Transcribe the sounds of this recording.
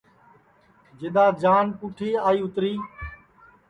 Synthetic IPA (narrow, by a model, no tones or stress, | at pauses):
d͡ʒɪɗ̪aːd͡ʒaːnpuːʈʰiːaːiːʊt̪ɾiː